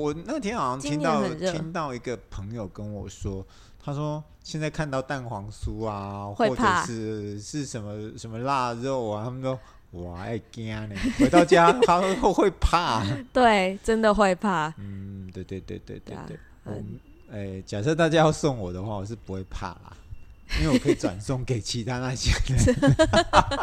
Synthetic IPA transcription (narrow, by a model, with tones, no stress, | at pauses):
wɔ˨˩na˥˩ɡət̪ʰjɛ˥nxɑ˨˩jɑ˥ŋtʰi˥nt̪ɑ˥˨ʊə˨˩˥i˦nt̪ɑ˥˩ʊi˧˥ɡə˨pʰə˧˦ŋjo˨˩ʊkə˦nwɔ˨˩ʂwɔ˥ | t̪ʰa˥ʂwɔ˥ | ɕjɛ˥˧nt͡sa˥˧ɪkʰa˥˧nt̪ɑ˥˧ʊt̪a˥˩nxwɑ˧˥ŋsu˦a˨xɔ˥˧ɤ˨˩˥ʂɻ̩˥˧˩ʂɻ̩˥˩ʂə˧˥nmə˧ʂə˧˥nmə˧la˥˧ɻə˥˩ʊ˨˩t̪ʰa˥mə˧nɔ˥ | wɔ˨˩a̰˥˩ɪkja˥ne˨˩xwe˥ɪɑ˥˩ʊt͡ɕja˦˥a˥xo˥˧xwe˥˧ɪpʰa˥˩t̪we˥˩ɪʈ͡ʂə˦nd̪ə˨xwe˥˧ɪpʰa˥˩n̩˥˩t̪we˥˧ɪt̪we˥˧˩t̪wḛ˥˩ɪt̪wḛ˥˧˩ɪt̪wḛ˥˧˩wḛ˥˩ɪ | wɔ̰˨˩mə | e˥˩ɪt͡ɕja˨˩sɤ˥˧t̪̬a˥˧t͡ɕja˥jɑ˥˧ʊsɔ˥˩ŋwɔ˨˩d̪ə˦xwa˥˩wɔ˨˩ʂ̬̩˥˩pu˧˦xwe˥˩ɪpʰa̰˥˩laɐ̰˨˩inwe˥˩˨wkʰə˧˥˩i˨˩ʈ͡ʂwa̰˨˩nsɔ˥˩ŋke˨˩ɪt͡ɕʰi˧˦˥t̪ʰa˦˥na˥˧ɕje˥d̪ə˨